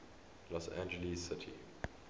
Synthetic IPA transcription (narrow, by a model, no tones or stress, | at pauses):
lɔsæ̰̃nd͡ʒəlissɪtʰḭ